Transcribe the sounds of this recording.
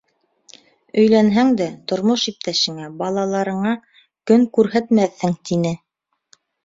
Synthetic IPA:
ɵ̆jlænɦæŋd̪æt̪ŏɾmoʃip̚t̪æʃɘ̆ŋæbɑlˠɑlˠɑɾɤ̆ɴɑ | kɵŋkʉɾɦæt̪mæθːɘŋt̪inɘ

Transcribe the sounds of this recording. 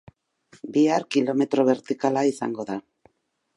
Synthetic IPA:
biaɾkilo̞me̞t̪ɾo̞βe̞ɾt̪ikalaisaŋɡo̞ða

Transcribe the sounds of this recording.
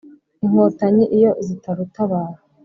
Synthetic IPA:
iŋhotaɲiʔijo̞zitʰaɾutaβaːɾa

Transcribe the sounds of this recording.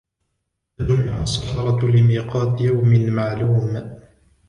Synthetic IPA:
d͡ʒʊmɪʕasˤːɑ̥ħɑɾˤɑt̪lɪmiːqɑːd̪jawmɪnmaʕluːm

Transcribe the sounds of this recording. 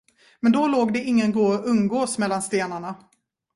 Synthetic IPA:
mɛnd̪ɔloːɡd̪ɛɪŋːənɡoːɵŋɡoːsmɛlːanst̪eːnaɳa

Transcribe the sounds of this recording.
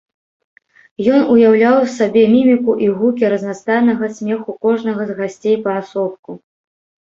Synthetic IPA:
jɔnujawlʲawsabʲɛmʲimʲikuʔiɣukʲiɾɐznast̪ajnɐɣɐsʲmʲɛxukɔʐnɐɣɐzɣasʲt͡sʲejpɐːsɔp̚ku

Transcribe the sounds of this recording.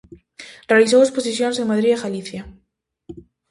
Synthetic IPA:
realiθ̬owesposisjonseŋmaðɾiaɣaliθja

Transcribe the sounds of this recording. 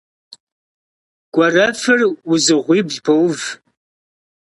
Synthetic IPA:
ɡ̥ʷɐrɐfɨrwʊzɨʁʷiːbɮbʰowv

